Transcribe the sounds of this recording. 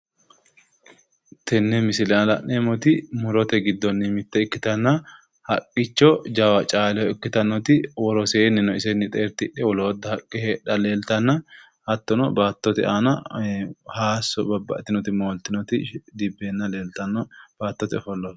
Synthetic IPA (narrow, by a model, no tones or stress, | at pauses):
t̪ʰɛnːɛmɪsɪllɐnemɔt̪ɪmʊɾɔt̪ɛɡɪd̪ːɔnːɪmɪt̪ːɛɪkːɪt̪ɐnːɐ | hɐkʼːɪt͡ʃːɔd͡ʒawɐt͡ʃʼaːlɛhɔɪkːɪt̪ɐnːɔt̪ɪwɔɾɔseːnɪnːɔɪsɛnːɪt̪ʼeːɾt̪ɪᶑːɛwɔloːd̪ːɐhɐkʼːɪheːᶑɐleːlt̪ɐnːɐ | hɐt̪ːɔnɔbaːt̪ːɔt̪ɪ̰aːnɐ | haːsɔbɐbːɐ̰ʔt̪ːɪnɔt̪ɪmoːlt̪ɪnɔt̪ɪd̪ɪbːenːɐle̞ːlt̪ɐnːɔb̥aːt̪ːɔt̪ɪɔfɔlːɔ